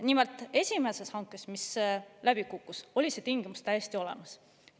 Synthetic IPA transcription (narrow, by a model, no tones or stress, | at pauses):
nimelt̪ːˑe̞sʲime̞se̞shɑŋkːˑe̞smislæb̥ikukːˑuso̞lʲise̞t̪iŋɡ̥imust̪æjesʲt̪io̞le̞̰mɑs